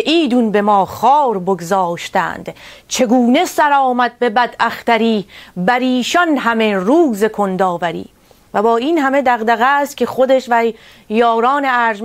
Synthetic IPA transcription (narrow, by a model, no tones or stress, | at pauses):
ʔiːd̪unbe̞mɒːχɒːɾboɡzɒːʃt̪æ̰ːnd̪̥t͡ʃʰe̞ɡuːne̞sæɾɒːmæd̪̚be̞bæd̪æχt̪æɾiːbæɾiːʃɒnɦæmeruːze̞kʰond̪ɒːvæɾḭː | væbɒːiːnhæmed̪æɣd̪æɣæst̪̚kʲʰe̞χod̪eʃvæ | jɒːɾɒːneæɾʒ